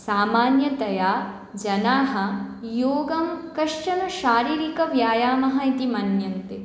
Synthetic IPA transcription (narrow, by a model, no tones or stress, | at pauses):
saːmaːnjɐt̪ɐjaː | d͡ʒɐnaːɦɐ̆joːɡɐmkɐʂʂɐnɐʃaːɾiːɾikɐʋjaːjaːmɐɦɐit̪imɐnjɐnt̪e